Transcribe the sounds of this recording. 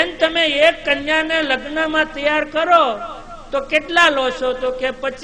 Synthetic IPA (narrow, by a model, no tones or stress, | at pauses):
ent̪əmeekːənjaneləɡnəmãt̪əjaɾkəɾo | t̪okeʈlalot͡ʃʰot̪okepət͡ʃʰ